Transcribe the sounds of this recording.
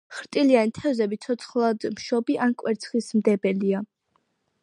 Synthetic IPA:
χɾt̪ʼilianit̪ʰɛvzɛbit̪sʰɔt̪sʰχlˠad̪mʃɔbiʔankʼwɛɾt̪sʰχismd̪ɛbɛlia

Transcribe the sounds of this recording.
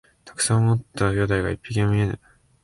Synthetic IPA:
t̪ʰḁkɯ̟̥sãomot̪ːajod̪aiɡa̰ipʲːikʲĩõmʲie̞nɯ̰

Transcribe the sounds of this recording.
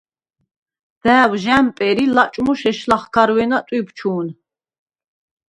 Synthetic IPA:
d̪̥æːwʒæmpʼɛɾilat͡ʃʼmuʃɛʃlaχkʰaɾwɛnat̪ʼwibt͡ʃʰuːn

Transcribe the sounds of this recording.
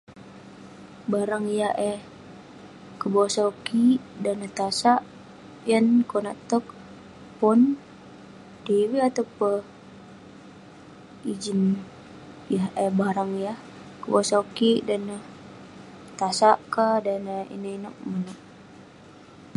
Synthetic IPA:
baɾaŋijaʔɛh | kəbosaukidanət̪asaʔ | jənkona̰ʔt̪ək̚ | pun | dewiat̪apə | id͡ʒən | ijaɦʔɛbaɾaŋijah | kəbosaukidanə | t̪asaʔkadanaḭnəinək̚mənok̚

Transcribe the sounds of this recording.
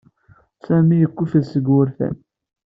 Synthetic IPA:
sæmijəkʷːuθlsəɡwʊɾθæ̰n

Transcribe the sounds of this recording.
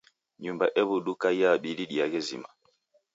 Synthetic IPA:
ɲumbaʔɛβuɗukajaɓiliɗiaɣɛzḭma

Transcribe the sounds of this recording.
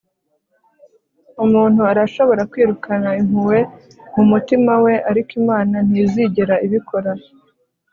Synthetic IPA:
umuːn̥huaɾaʃo̞βo̞ɾakwiːɾukʰanaiŋuwe̞ | mumutimawe̞ʔaɾikimaːnan̥iziɟiɾaiβikʰo̞ɾa

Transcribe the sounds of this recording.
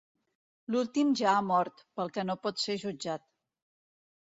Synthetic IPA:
lulˠt̪imʒaːmɔɾt̪pəlˠkɛnopɔt̪seʒud͡ʒat̪̚

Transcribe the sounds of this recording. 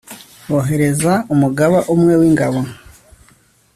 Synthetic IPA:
oɦe̞ɾe̞zaumuɡaβaʔumŋe̞wiːŋɡaβo

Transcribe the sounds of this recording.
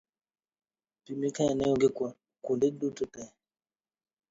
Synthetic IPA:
pimikaɛnɛoŋɡekwa | kundedututɛ

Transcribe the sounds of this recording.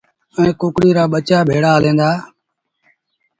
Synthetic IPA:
əẽːkoːkɽiːɾaːɓət͡ʃaːbʱeːɽaːəlẽːnd̪aː

